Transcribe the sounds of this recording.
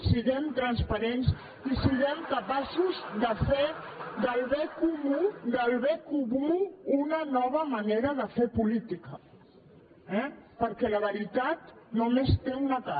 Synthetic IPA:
siðɛmt̪ɾənspəɾens | isiɣɛmkəpasuzðəfed̪əlˠβɛkumud̪əlˠβɛkumuːnənɔβ̞əməneɾəðəfepulit̪ikə | ɛpəɾkɛləβəɾit̪at̪numest̪eunət̪a

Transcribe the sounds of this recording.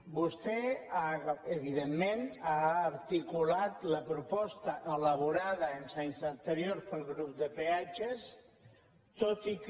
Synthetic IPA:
bust̪ɛaəβiðemːẽnaːɾt̪ikulat̪ləpɾupɔst̪əʔələβuɾaðəensaɲzənt̪əɾjoɾspəlˠɣɾup̚d̪əpeat͡ʃes | t̪ot̪ik

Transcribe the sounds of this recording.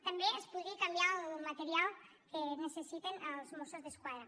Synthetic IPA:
t̪ambjeespuðɾikambjallmat̪eɾjalˠ | kenesesit̪enalzmosozðeskwaðɾa

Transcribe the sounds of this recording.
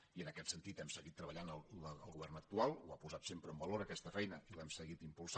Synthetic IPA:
iənəkɛt̪sənt̪it̪ɛmsəɣit̪ːɾəβəʎanəlˠəəlˠɣuβɛrnək̚t̪ualˠwapuzat̪sempɾəmbəloɾəkɛst̪əfɛjnəilɛmsəɣit̪impulˠs

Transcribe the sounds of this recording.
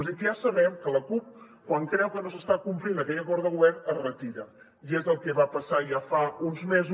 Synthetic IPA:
zðikjasəβɛmkələkup̚ | kwaŋkɾɛwkənos̬əst̪akumplinəkɛʎəkɔɾðəɣwɛɾərət̪iɾə | iezðəlˠkɛβapəsaʒafaunzmez

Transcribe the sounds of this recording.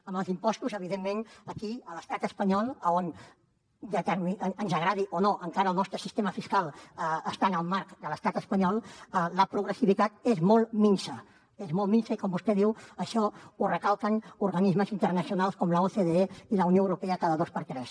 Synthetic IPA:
əməlˠzimpɔst̪uzəβiðemːenəkiələst̪at̪əspəɲɔlˠəon | ʒakamiənzəɣɾaðiʔonoʔəŋkaɾəlˠnɔst̪ɾəsist̪eməfiskalˠəəst̪anəlˠmaɾkd̪ələst̪at̪əspəɲɔlˠələpɾuɣɾəsiβit̪at̪ezmɔlˠminsə | ezmɔltminsəikɔmbust̪ɛðiwəʃɔurəkalˠkənuɾɣənizməzint̪əɾnəsiunalˠskɔmləoθeðeeiləunjoəwɾupeəkaðəðospəɾt̪ɾɛs

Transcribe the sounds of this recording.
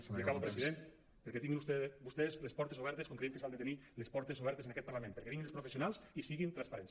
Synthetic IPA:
plikaβopɾesiðen | peɾkɛt̪iŋɡinust̪ebust̪ezlespɔɾt̪esoβ̞ɛɾt̪eskoŋkɾeeŋkesalˠd̪et̪enilespɔɾt̪esoβɛɾt̪esenakɛt̪̚paɾlamẽmpeɾkɛβiŋɡinespɾofesijonalˠsisiɣint̪ɾanspaɾɛns

